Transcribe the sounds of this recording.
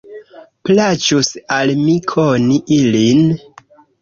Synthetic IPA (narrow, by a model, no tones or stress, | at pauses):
plat͡ʃusalmikʰoniʔilin